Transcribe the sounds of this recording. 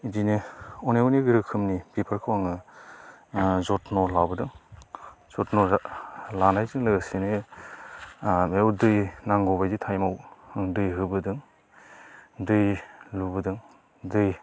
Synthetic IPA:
idineɔneuniɡɯɾɯkʰɯmnibipʰɯɾkʰɯwaŋɯ | zɔtnɔlawbɯdɯŋ | z̥ɔtnɔlanajzɯŋlɯɡsine | mewdɯjnaŋɡɔbajditʰajmawdɯjɦɯbɯdɯŋ | dɯjlubɯdɯŋ | dɯj

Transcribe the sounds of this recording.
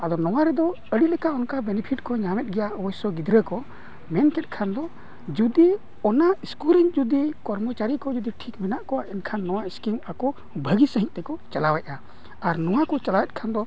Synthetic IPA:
ad̪ɔnɔwaɾɛd̪ɔ | əɽilɛkaʔɔnkabɛnɛpʰiʈkɔɲamɛt̪̚ɡɛjaʔwɔjsɔɡid̪ɾəkɔ | mɛnkɛt̪̚ˀkʰand̪ɔ | d͡ʒud̪i | ɔnaiskuliŋd͡ʒud̪ikɔɾmɔt͡ʃaɾikɔd͡ʒud̪iʈʰikmɛnaʔkɔaʔɛnkʰanːɔwaiskimakɔ | bʱəɡisəɦĩʔt̪ɛkɔt͡ʃalawɛc̚a | aɾnɔwakɔt͡ʃalawɛt̪̚ˀkʰand̪ɔ

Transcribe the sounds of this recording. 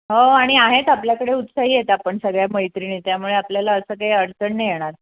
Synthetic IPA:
ɦoaɽ̃iaɦet̪apljakəɽeut̪saɦiːjet̪apəɳsəɡɭjaməjt̪ɾinit̪jamuɭeapljalaəsəːkaɦiəɽt͡səɳnejeɽ̃aɾ

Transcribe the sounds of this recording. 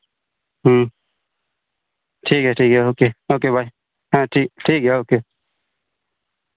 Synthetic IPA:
ɦə | ʈʰiːkɦɛːʈʰiːkɦɛɦoːkeoːk̬ebʱaːi | ɦãːʈʰiːkʈʰiːkɦɛoːke

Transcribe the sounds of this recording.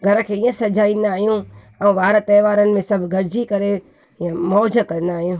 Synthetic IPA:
ɡʱɐɾəkʰeːĩːə̃sɐd͡ʒaːĩnd̪aːɦijũ | ɛũʋaːɾt̪ɐːʋaːɾənɪ̆mẽsɐbʱɡʱɐɾd͡ʑikɐɾe | iə̃mɔːd͡ʒʱəkɐ̃n̆d̪aːɦijũː

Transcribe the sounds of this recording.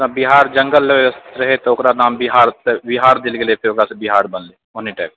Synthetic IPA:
abɪɦaːɾd͡ʒə̃ŋɡəlsɾəɦet̪oʊkɾanaːmbiɦaːɾt̪bɪɦaːɾd̪ɪlkelepʰeokɾasebɪɦaːɾbənleːɦoniʈɛ̰ːk̚

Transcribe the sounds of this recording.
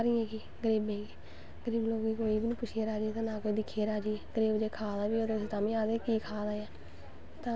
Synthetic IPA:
ɾiːẽːɡiː | ɡəɾiːbẽːɡiː | ɡəɾiːbloːɡiːkoːiːbiːnĩːpʊt͡ʃʰeːɾaːd͡ʒiːt̪ãːnãːkoːiːd̪ɪkʰːeːɾaːd͡ʒiːɡ̥əɾiːbd͡ʒeːkʰaːd̪aːbiːod̪eseːt̪aːmĩːaːd̪eːkiːkʰaːd̪aːjãː | t̪ãː

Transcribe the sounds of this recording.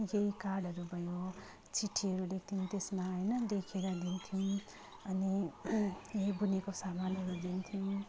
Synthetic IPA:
jejkaɖɦʌɾubʱʌjo | t͡sʰiʈʰːiʌɾulek̚ʰt̪ʰiumt̪esmaɦʌjnʌd̪ekʰeɾʌd̪int̪ʰijũ | ʌni | jejbunekosamanʌɾud̪int̪ʰiũ

